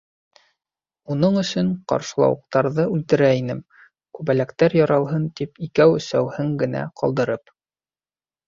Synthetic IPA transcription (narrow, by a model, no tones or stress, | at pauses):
unɤɴɵ̆sɵɴqɑ̰ɾʃɤ̆lˠɑ̰wɤ̆q̚t̪ɑɾðɤʉlt̪ɘ̆ɾæinɘm | kʉβælækt̪æɾjɑɾɑw̪ˠɦɤnt̪ipikæwɵ̆sæwhɘŋɡɘ̆næ̰qʰɑ̰lˠd̪ɤ̆ɾɤp